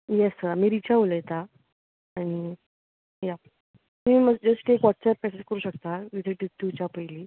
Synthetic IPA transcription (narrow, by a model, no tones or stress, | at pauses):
jesəɾamiːɾit͡ɕaɦoləjt̪a | aɽ̃i | ja | miːməd͡ʑəskekʋɔʈsɛp̚kɛseskəɾuːɕəkt̪aʋit̪ʰeʈiʈːut͡ɕapəiliː